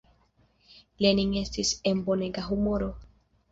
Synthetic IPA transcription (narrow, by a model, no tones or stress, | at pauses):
leniŋest̪isemboneɡaɦumoɾo